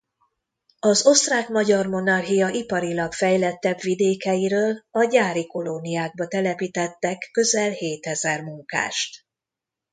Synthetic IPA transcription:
ɒzo̞st̪raːkmɒɟɒrmo̞nɒrɦijɒʔipɒɾilɒkfɛjlɛt̪ːɛbvid̪eːkɛjiɾøːlɒɟaːɾiko̞lonijaːɡ̚bɒt̪ɛlɛpit̪ɛt̪ːɛkːø̞zɛlheːt̪ɛzɛrmuŋka̰ːʃt̪

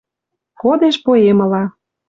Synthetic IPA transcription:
kod̪eʃpoemɤ̆lɑ

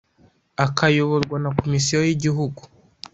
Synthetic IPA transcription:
akʰajoβoɾɡwanako̞misijojiɟiɦuɡu

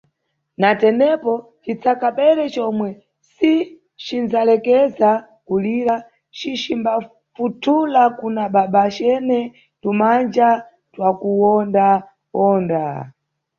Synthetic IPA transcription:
natɛnɛpɔ | t͡ʃit͡sʰakapɛɾɛt͡ʃɔmwɛ | si | t͡ʃinzalɛkɛza | kuliɾa | t͡ʃit͡ʃimba | futʰulakunaɓaɓat͡ʃɛnɛ | tumand͡ʒa | twakuwɔnda | wɔːnda

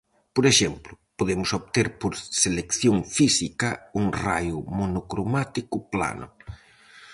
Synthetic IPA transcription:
poɾeʃemplʊpoðemʊsoβt̪eɾpoɾselekθjoŋfisikɐuŋra̰jʊmonokɾomat̪ikʊpla̰nʊ̰

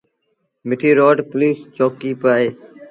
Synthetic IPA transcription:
mɪʈʰiːɾoːɖpliːst͡ʃoːkiːpaːeː

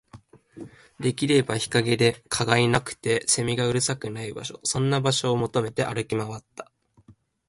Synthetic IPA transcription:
d̪e̞kʲiɾe̞baçi̥kaɡe̞d̪e̞kʰaɡainakɯ̟̥t̪e̞se̞mʲiɡaɯ̟ɾɯ̟sakɯ̟naiba̰ɕo̞sõ̞nːabaɕo̞ːmo̞t̪o̞me̞t̪e̞ʔaɾɯ̟kʲimaβat̪ːḁ

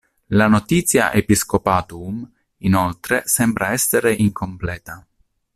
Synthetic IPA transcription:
lanot̪iːt̪sːja̰ʔepiskopaːt̪um | inolt̪ɾesɛmbɾaɛsːeɾeʔiŋkʰomplɛːt̪a

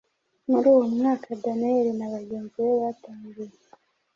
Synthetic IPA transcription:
muɾuːwo̞mŋaːkadaneɾinaβaɡeːnziβeβataːŋɡuje

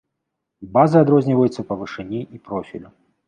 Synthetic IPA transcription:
bazɨad̪ɾɔzʲnʲivɐjut̪sːɐpɐvɨʂɛnʲiʔipɾɔfʲḭlʲu

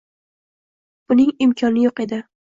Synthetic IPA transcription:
b̥ʊnɪŋɪmkʰɒnɪjoqe̞d̪ɪ

